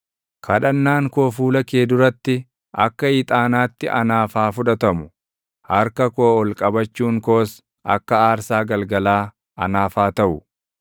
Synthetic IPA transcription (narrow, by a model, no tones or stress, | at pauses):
kʰɐɗɐnːaːŋko̞ːfuːlɐkeːd̪ʊɾɐt̪ːɪ | ʔɐ̰kːɐɪt̪ʼaːnaːt̪ːɪʔɐ̰naːfaːfʊᶑɐt̪ɐmʊ | hɐɾkɐkoːɔlkʼɐbɐt͡ʃːuːŋko̞ːs | ʔɐ̰kːɐaːɾsaːɡɐlɡɐlaː | ɐ̰naːfaːt̪ɐʔʊ